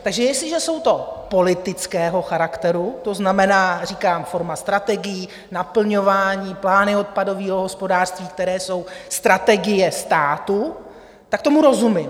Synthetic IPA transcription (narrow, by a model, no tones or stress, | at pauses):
t̪aɡʒɛjɛslɪʒɛso̞wt̪o̞po̞lɪt̪ɪt͡skɛːɦo̞xaɾakt̪ɛɾut̪o̞znamɛnaːriːkaːmfo̞ɾmast̪ɾat̪ɛɡɪji | napl̩ɲo̞vaːɲiːplaːnɪo̞t̪̚pado̞viːɦoɦo̞spodaːr̥st̪viːk̚t̪ɛɾɛːso̞wst̪ɾat̪ɛɡɪjɛst̪aːt̪u | t̪ak̚t̪o̞muɾo̞zumɪm